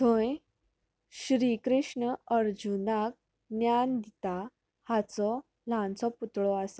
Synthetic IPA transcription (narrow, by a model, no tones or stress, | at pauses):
t̪ʰõj | ɕɾikɾiʂɳəəɾd͡ʑunak̚ | njand̪it̪a | hat͡sɔ | lãnt͡sɔput̪ɭɔasḁ